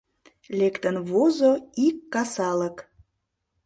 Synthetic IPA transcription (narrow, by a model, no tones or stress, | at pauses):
lekt̪ənβozoikːɑsɑlək